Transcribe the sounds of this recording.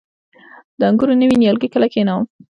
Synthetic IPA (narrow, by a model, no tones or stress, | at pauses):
d̪̥əaŋɡuɾonəwinjɑlɡikəlakenawm